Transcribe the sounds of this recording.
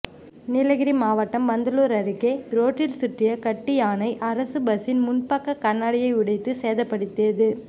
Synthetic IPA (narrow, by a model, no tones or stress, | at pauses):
nɪlɐɣɪɾimaːʋɐʈːɐmʋɐnd̪ɐluːɾɐɾɪkːeːɾoːʈːɪlsɪʈrɪjɐkɐʈːɪjaːnɐɪʔɐɾɐsɯbɐsɪnmʊnpɐkːɐkɐɳːaːɽɪjɐɪʋʊɽɐɪt̪ːɯseːðɐpːɐɽɯt̪ːɪɐðɯ